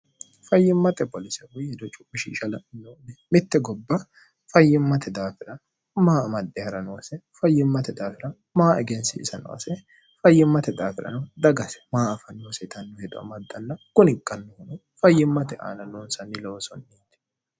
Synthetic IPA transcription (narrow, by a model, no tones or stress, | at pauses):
fɐjːɪmːɐt̪ʼɛpɔlɪsɛhʊɛd̪ɔt͡ʃʼʊbɪʃḭːʃɐlɐɪnːoːnɛmɪt̪ːɛɡɔbːɐ | fɐjːɪmːɐt̪ɛd̪aːfɪɾɐ | maːɐmɐd̪ːɛhɐɾɐnoːsɛfɐjːɪmːɐt̪ɛd̪aːfɪɾɐ | maːɛɡɛnsɪɪ̰sɐnɔ̰ɐ̰sɛ | fɐjːɪmːɐt̪ɛd̪aːfɪɾɐ̰nɐd̪ɐɡɐsɛ̥maːɐfɐnːoːsɛt̪ɐnːɔhɛd̪ʊʔɐ̰mɐd̪ːɐnːɐkʊnɪkʼːɐnːɔhʊnʊ | fɐjːɪmːɐt̪ɛʔa̰ːnɐnoːnsɐnːɪlɔwsɔ̰nːiːd̪ɛ̥